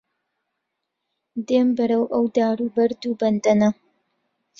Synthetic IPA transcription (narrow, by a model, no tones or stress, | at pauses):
d̪eːmbɐɾɐwʔɐwd̪aːɾuːbɐɾd̪uːbɐnd̪ɐnɐ